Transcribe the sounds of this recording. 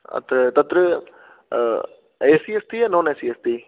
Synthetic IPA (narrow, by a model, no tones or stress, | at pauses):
ɐ̰t̪ɾət̪ɐt̪ɾə | eːsiːest̪iːanõːneːsiːest̪iː